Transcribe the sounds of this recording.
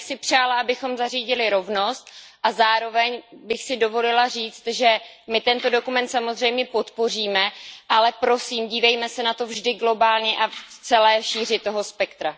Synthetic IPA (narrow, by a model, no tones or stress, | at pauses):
sɪpr̝̥aːlaʔabɪxo̞mzariːɟɪlɪɾo̞vno̞st̪ʔazaːɾo̞vɛɲbɪxsɪdo̞vo̞lɪlariːt͡st̪ʒɛmɪt̪ɛnt̪o̞do̞kumɛnt̪samo̞zr̝ɛjmɲɛpot̪po̞r̝iːmɛʔalɛpɾo̞siːmɟiːvɛjmɛsɛnat̪o̞vʒdɪɡlo̞baːlɲɛʔaft͡sɛlɛːʃiːr̝ɪt̪ːo̞ɦo̞spɛkt̪ɾa